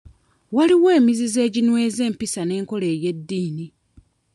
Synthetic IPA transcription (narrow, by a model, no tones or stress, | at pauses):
waliwe̞ːmizize̞ːɟinwe̞ːze̞ːmpisane̞ːŋko̞le̞ːje̞dːiːni